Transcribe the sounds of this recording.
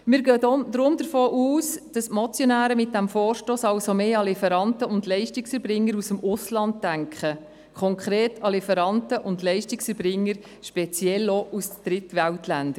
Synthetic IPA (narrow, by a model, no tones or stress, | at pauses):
mɪːɾɡøːdod̪ɾʊmd̥̪əɾfoːʔuːsd̥ɑsmɔt͡sjonæːɾəmɪt̚d̥æmfoːɾʃtoːsɑlsomeːɑlɪfɛɾɑntəʊndlɛɪʃtɪksɛɾbɾɪŋːəɾusəmʊslɑnd̚dæŋkχə | kʰχɔŋkχɾeːtʰɑlifɛɾɑntəʔʊndlɛɪʃtɪksɛɾbɾɪŋːəɾ | ʃpɛt͡sjɛlːoʔusd̥ɾɪtʋæltlænd̥ə